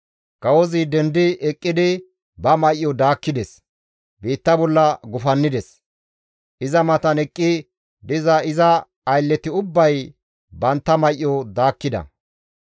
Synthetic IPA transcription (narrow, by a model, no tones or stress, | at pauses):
kɐwɔzɪd̪ɛnd̪ɪɛkʼːɪd̪ɪ | bɐmɐjʔjːɔd̪aːkːɪd̪ɛs | biːt̪ːɐbɔlːɐɡʊfɐnːɪd̪ɛs | ʔɪzɐmɐt̪ɐnɛkʼːɪ | d̪ɪzɐɪzɐː | jlːɛt̪ɪʊbːɐj | bɐnt̪ːɐmɐjʔːɔd̪aːkːɪd̪ɐ̰